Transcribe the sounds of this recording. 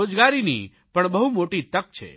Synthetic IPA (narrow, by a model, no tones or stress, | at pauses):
od͡ʒɡaɾinḭ | pəɳbəɦumoʈit̪ək̚t͡ʃʰḛ